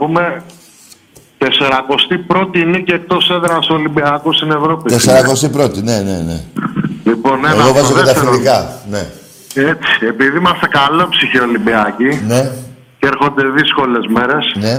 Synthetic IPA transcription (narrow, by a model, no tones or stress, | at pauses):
pume̞ | t̪e̞se̞ɾɐko̞st̪ipɾo̞t̪ineceːk̚t̪o̞seðɾɐst̪olimbiɐkost̪ine̞vɾo̞pit̪ese̞ɾɐko̞st̪ipɾo̞t̪ine̞nenḛlipo̞neeɣovɐzzot̪et̪ɐfiðikɐne̞ | et͡si̥e̞piðiimɐst̪ekalopsiçiolimbiɐcine̞ | ceɾxo̞nd̪e̞ðisko̞le̞zme̞ɾe̞sne̞